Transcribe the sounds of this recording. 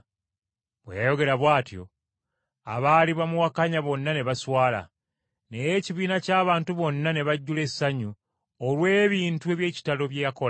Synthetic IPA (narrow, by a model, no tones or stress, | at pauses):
βwḛjajo̞ɡe̞ɾaβwaːtjo̞ | a̰βaːliβamuwakaɲaβo̞nːane̞βaswaːla̰ | ne̞jeːciβiːnacaːβaːntuβo̞nːane̞βaɟːule̞sːaɲu | olwe̞ːβiːntue̞βje̞ːci̥talo̞βjejakol